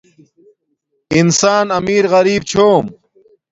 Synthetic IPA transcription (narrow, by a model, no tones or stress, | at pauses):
insaːnɐmiːɾɣɐɾiːb̚t͡ɕʰoːm